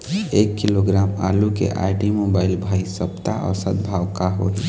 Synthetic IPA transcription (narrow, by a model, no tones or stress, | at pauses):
eːkːɪloɡɾaːma̰ːlukḛʔa̰ːɪʈimoːbaːɪlbʱaːisəpt̪aʔɔ̰ːɾsət̪̚bʱaːʋkaɦoːi